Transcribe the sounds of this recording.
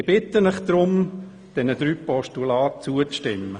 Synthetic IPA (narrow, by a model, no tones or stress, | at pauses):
ɪb̥ɪtːənɪχd̪̥ɾʊm | d̥ɛnəd̥̪ɾyːpɔʃtulaːt̚t͡suət͡sʃtɪmːə